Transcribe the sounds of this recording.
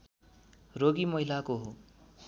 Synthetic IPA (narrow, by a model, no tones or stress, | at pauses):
roɡimʌɦilakoɦo